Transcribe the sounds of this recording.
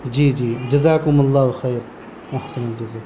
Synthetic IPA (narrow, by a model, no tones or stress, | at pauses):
d͡ʒiːd͡ʒiːd͡ʒɐzaːkʊmalˤːaːɦxeːɾ | wʔaħsɐnald͡ʒɐzaː